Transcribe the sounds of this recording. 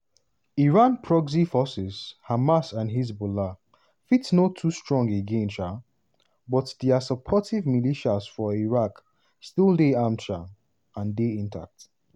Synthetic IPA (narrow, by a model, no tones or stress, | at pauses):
iɹãnpʰɹɔɡzifɔsɪz̥hamasãnɦiz̬bola | fitsnotʰːustɹɔ̃ŋɡeɡẽnʃa | bɔtdiasəpʰɔtivmiliʃazfɔiɹak | stildeãmʃa | ãndeĩntʰa̰k̚t